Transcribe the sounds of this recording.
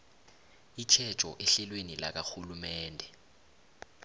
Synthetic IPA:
it͡ʃʰɛ̥t͡ʃʼɔ̰ʔɛɬɛlwenila̰k̬axulumɛːndʱɛ

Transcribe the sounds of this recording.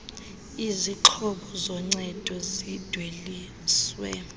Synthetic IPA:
iziǃʰɔɓɔzɔŋ͡ǀɛd̥ʱɔzid̥ʱweli | swɛ̰

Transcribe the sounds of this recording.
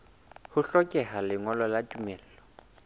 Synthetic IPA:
hʊɬɔkʼɛhalɪŋɔlɔlatʼumɛːl̩ːlɔ

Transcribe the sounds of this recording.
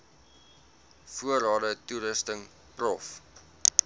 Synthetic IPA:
fuəɾɑːdətuɾəstəŋ | prɔf

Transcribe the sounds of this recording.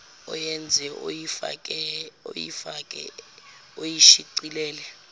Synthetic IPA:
ɔ̰jɛnd͡zʱɛia̰kʼɛo̰jḭfakʼɛ̰ | ojiʃiǀilɛːlɛ

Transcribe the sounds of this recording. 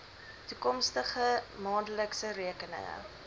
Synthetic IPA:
tukɔmstəχəmɑːndələksəɾiəkənə̰ŋə̰

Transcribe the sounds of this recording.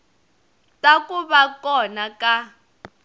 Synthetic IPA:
tʼakʼuβakʼɔnakʼa

